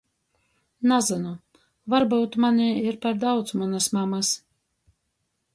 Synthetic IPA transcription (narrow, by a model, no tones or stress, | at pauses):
nazanu | vaɾbawt̪manʲiiɾpaɾd̪awt̪smanasmamas